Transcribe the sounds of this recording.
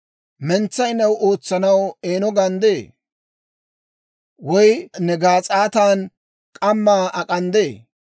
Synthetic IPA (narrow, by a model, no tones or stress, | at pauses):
mɛnt͡sːɐjnɐwʔoːt͡sːɐnɐweːnɔɡɐnd̪eː | wɔjnɛɡaːt͡sʼaːt̪aːn | kʼɐmːaːʔɐkʼɐnd̪eː